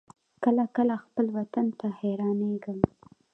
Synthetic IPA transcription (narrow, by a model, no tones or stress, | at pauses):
kəlakəlaxpəlwat̪ant̪aheɾɑneɡəm